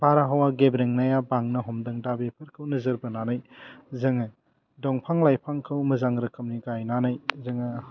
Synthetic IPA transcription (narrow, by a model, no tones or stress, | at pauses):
baɾaɦawaɡebɾeŋnajabaŋnɐɦɔmdɐŋdabepʰɐɾkʰɯwnɐzɐɾbɐnanajzɐŋɐ | dɔŋpʰaŋlajpʰaŋkʰɐwmɐzaŋɾɐkɐmniɡajnanajzɐŋɐ